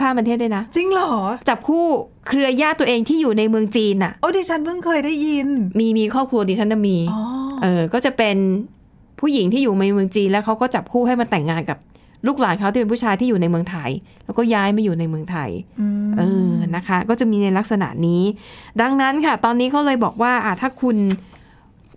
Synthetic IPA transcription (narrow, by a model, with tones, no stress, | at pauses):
pʰaː˥˩pa˧t̪ʰeː˥˩t̪̚dwa˥˩na˦˥t͡ɕi˧ŋlɔː˨˩˦t͡ɕa˨˩p̚kʰuː˥˩ | kʰɾɯ˧ɐjaː˥˩t̪ːu˧ə˧ʔeː˧ŋt̪ʰiː˥˩juː˨˩na˧jmɯ˧əŋt͡ɕiː˧nʔa˨˩ʔʔoː˦˥˩diː˧t͡ɕʰa˦˥npʰɯ˥˩ŋkʰɤː˧jda˥˩ji˧nmiː˧miː˧kʰɔː˥˩p̚kʰlu˧ədiː˧t͡ɕʰa˦˥nːa˧˩miː˧ɔ˧˦ʔʔɤː˧kɔː˥˩t͡ɕa˨˩pe˧n | pʰuː˥˩ji˩˦ŋt̪ʰiː˥˩juː˨˩ma˧jmɯ˧əŋt͡ɕiː˧nlɛː˦˥wkʰa˦˥wkɔː˥˩t͡ɕa˨˩p̚kʰuː˥˩ɦa˥˩jma˧t̪ɛ˨˩ŋːaː˧nka˨˩p̚ | luː˥˩k̚laː˨˩˦ŋkʰa˦˥t̪i˥˩pe˧pʰuː˥˩t͡ɕʰaː˧jt̪ʰiː˥˩juː˨˩na˧jmɯ˧əŋt̪ʰa˧jlɛː˦˥wkɔː˥˩jaː˦˥jmaː˧˩juː˨˩na˧jmɯ˧əŋt̪ʰa˧jʔɤː˧na˦˥kʰa˦˥kɔː˥˩t͡ɕa˨˩miː˧na˧jla˦˥k̚sa˧na̰˨˩˦niː˦˥da˧ŋna˦˥nkʰa˥˩t̪ɔː˧nːiː˦˥kʰa˦˥wlɤː˧jbɔː˨˩k̚waː˥˩ʔa˨˩t̪ʰːaː˥˩kʰu˧n